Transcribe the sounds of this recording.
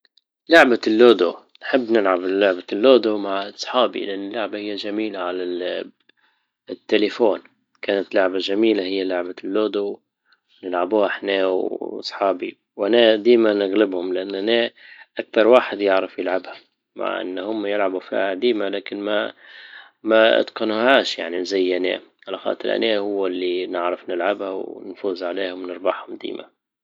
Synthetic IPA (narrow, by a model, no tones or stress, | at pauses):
lʊʕbalːoːd̪u | nħɪbːnɪlʕablːʊʕbalːoːd̪umaʕɑsˤħɑːbḭlʔanːɪlːʊʕbahɪjːaʒamiːlaʕala | t̪ːelɪfoːn | kaːnat̪lʊʕbaʒamiːlahɪjːalʊʕbalːoːd̪u | nɪlʕabuːhaʔħneːwɑ̰sˤħɑːbi | wʔanad̪iːmanɪɣlɪbhʊmlʔanːʔaneʔak̚t̪ɑɾˤwaːħɪd̪jɪʕɾɪfjɪlʕabha | ma̰ʕʔɪ̰nːhʊmːajɪlʕabufḭːhad̪iːmalaːkɪnma | maɪ̰t̪qɑnuhaːʃja̰ʕnizajːʔanḛːʕalaxɑ̰ːt̪ˤɨɾʔa̰neːhʊwːalːinɪʕɾɪfnɪlʕabhawnfuːzʕaleːhʊmnɨɾˤbɑħhʊmd̪ḭːma̰